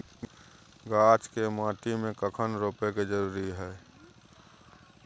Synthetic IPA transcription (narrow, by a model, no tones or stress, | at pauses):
ɡaːt͡ʃkemaːʈimẽkəkʰənɾoːpeked͡ʒəɾuːɾiɦɛː